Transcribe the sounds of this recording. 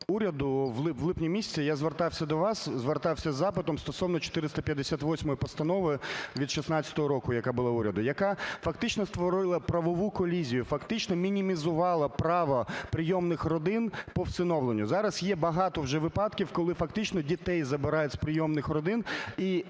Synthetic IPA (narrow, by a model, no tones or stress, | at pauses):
uɾʲɐd̪ʊʋlˠʋlˠɪpnʲimʲisʲt͡sʲijazʋert̪ɑwsʲɐd̪ɔʋɑszʋert̪ɑwsʲɐzːɑpɪt̪ɔmst̪ɔsɔwnɔt͡ʃɔ̥t̪ɪɾɪst̪ɐpʲjɐd̪ːesʲat̪ʋɔsʲmɔjipɔst̪ɐnɔʋɪʋʲid̪ʃisnɑt͡sʲːɐ̥t̪ɔɦɔɾɔkʊjɐkabʊlˠauɾʲɐd̪ʊjɐkɑfɐkt̪ɪt͡ʃnɔst̪ʋɔɾɪlˠɐpɾɐʋɔʋukɔlʲizʲijʊfɐkt̪ɪt͡ʃnɔmʲinʲimʲizʊʋɑlˠɐpɾɑʋɐpɾɪjɔmnɪxrɔd̪ɪnpɔwtsɪnɔʋlˠenʲːʊzɑɾɐsjɛbɐɦɑt̪ɔwʒɛʋɪpɑd̪kʲiwkɔlˠɪfɐkt̪ɪt͡ʃnɔdʲit̪ɛjzɐbɪɾɑjɛt͡sʲsʲpɾɪjɔmnɪxrɔd̪ɪni